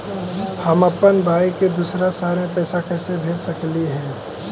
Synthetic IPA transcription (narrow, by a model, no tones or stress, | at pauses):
hɐmɐpənbʱaːiked̪uːsɾasaːɾepɛːsakɛːsebʱeːd͡ʒsɐkliɦɛ̃ː